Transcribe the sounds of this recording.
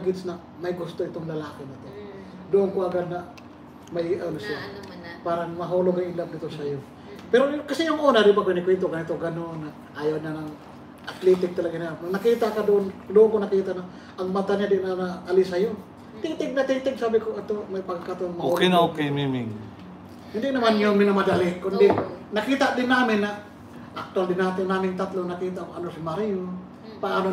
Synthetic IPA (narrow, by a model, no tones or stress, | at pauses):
ɡɪt̪snɐ | mɐjɡʊst̪oʔɪt̪oŋlɐlaːkɪnɐt̪o | d̪oʔːnkoɐɡad̪̚nɐ | mɐʔɪʔalʊsa | paːɾɐŋmɐɦuloɡɐŋɪlab̚nɪt̪osɐjo | pɛɾokɐsɛjʊŋɐʔoːnad̪ɪbakinɪkwɛnt̪oɡɐnɪt̪oɡɐnonːɐ | ʔajawɲanɐŋ | ʔɐt̪lɛt̪ɪk̚t̪ɐlɐɡaɲanɐkiːt̪akad̪oʔond̪oʔoŋkonɐkiːt̪anɐ | ʔɐŋmat̪aɲad̪ɪnanaʔɐlɪsɐjo | t̪iːt̪ɪɡ̚nɐt̪iːt̪ɛɡ̚saːbɪkoʔɐt̪omɐjpɐɡakat̪oŋmɐokeŋaokejmimɪŋ | hɪnd̪ɪnɐmanjʊmɪnɐmɐd̪alɪkʊnd̪ɪnɐkiːt̪aʔd̪ɪnːaːmɪnːɐ | ʔɐk̚t̪ʊwald̪ɪnːaːt̪ɪnːaːmɪŋt̪at̪lonɐkiːt̪aʔkoʔɐnosɪmɐɾijo | pɐʔaːno